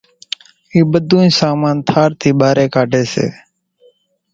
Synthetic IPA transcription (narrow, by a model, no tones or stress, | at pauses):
iːɓəd̪ʱũːsaːmaːnt̪ʰaːɾt̪ʰiːɓaːɾeːkaːɖʱeːsḛː